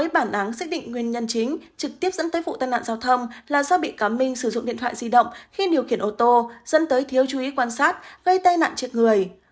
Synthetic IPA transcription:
əː˨˦jɓaː˧˩nʔa˨˦ŋsaː˦˥k̚ɗḭ̈˧˨ŋ̟ŋwi˨˩ənɲə˧nt͡ɕï˨˦ŋ̟t͡ɕɨ˨˩k̚t̪i˦˥əp̚zə̰˧˥nt̪əː˨˦jfṵ˧˨t̪aː˧jna̰ː˧˨zaː˨˧wt̪ʰə˧wŋ͡mlaː˨˩zɔː˧ɓḭ˧˨kaː˨˦mï˧ŋ̟sɨ˧˩zʊ̰˧˨ŋ͡mɗḭ˧˨ənt̪ʰwa̰ː˧˨jzi˧ɗə̰˧˨wŋ͡mxi˧ɗi˨˩əwxi˧˩ənʔo˧t̪o˧zə̰˧˥nt̪əː˨˦jt̪ʰi˨˦əwt͡ɕu˨˦ʔi˨˦kwaː˧nsaː˦˥t̚ɣə˧jt̪aː˧jna̰ː˧˨nt͡ɕɨ˨˩k̚ŋɨ˨˩əj

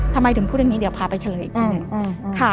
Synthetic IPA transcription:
t̪ʰa˧mːa˧jt̪ʰɯ˩˦pʰuː˥˩˨a˧ŋːiː˦˥di˩˦wpʰaː˧pa˧jt͡ɕʰa˧lɤː˨˦ʔːk̪̚ʰːnɯ˨˧ŋ˧kʰa˥˩

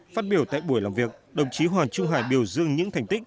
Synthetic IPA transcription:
faː˦˥t̚ɓi˧˩əwt̪a̰ː˧˨jɓu˧˩əjlaː˨˩mvi˨˩ək̚ɗə˨˩wŋ͡mt͡ɕi˨˦ɦwaː˨˩nt͡ɕʊ˧ŋ͡mɦaː˧˩jɓi˨˩əwzɨ̰˧əŋɲɨ̰˧˥t̪ʰjŋ̟t̪i˦˥k̚

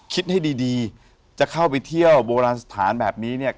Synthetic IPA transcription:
kʰi˦˥t̪̚ha˥˩jdiː˧diː˧ | t͡ɕa˨˩kʰa˥˩wpa˧jt̪ʰi˥˩əwboː˧ɾaː˧nsḁ˧t̪ʰaː˩˦nbɛː˨˩p̚niː˦˥ni˥˩ɐ

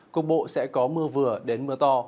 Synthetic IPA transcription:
ku˨˩ək̚ɓo̰˧˨sɛ̰˧˥kɔ˨˦mɨ˧əvɨ˨˩əɗe˨˦nmɨ˧ət̪ɔ˧

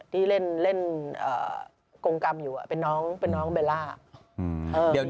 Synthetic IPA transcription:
t̪ʰiː˥˩le˥˩nle˥˩nʔə̰ː˨˩ | ko˧ŋka˧mjuː˨˩ʔa̰˧˩pe˧nːɔː˦˥ŋpe˧nːɔː˦˥ŋɓeː˧laː˥˩a̰˨˩˧ | ʔəː˧˨˩

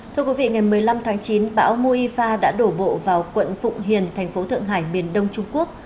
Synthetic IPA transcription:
t̪ʰɨ˧əkwi˨˦vḭ˧˨ŋa˨˩jmɨ˨˩əjla˧mt̪ʰaː˨˦ŋt͡ɕi˨˦nɓa̰ː˧˥wmu˧ʔi˧faː˧ɗa̰ː˧˥ɗo˧˩ɓo̰˧˨vaː˨˩wkwə̰˧˨nfʊ̰˧˨ŋ͡mɦḭ˨˩ənt̪ʰɛ˨˩jŋ̟fo˨˦t̪ʰɨ̰˧˨əŋɦaː˧˩jmi˨˩ənɗə˧wŋ͡mt͡ɕʊ˧ŋ͡mku˦˥ək̚

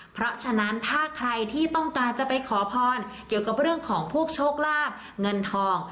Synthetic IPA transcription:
pʰɾɔ˦˥t͡ɕʰa˧na˦˥nt̪ʰaː˥˩kʰɾa˧jt̪ʰiː˥˩t̪ɔ˥˩ŋkaː˧nt͡ɕa˨˩pa˧jkʰɔː˩˦pʰɔː˧nki˨˩əwka˨˩p̚ɾɯ˥˩əŋkʰɔː˩˦ŋpʰuː˥˩ək̚t͡ɕʰoː˥˩k̚laː˥˩p̚ | ŋɤ˧nt̪ʰɔː˧ŋ

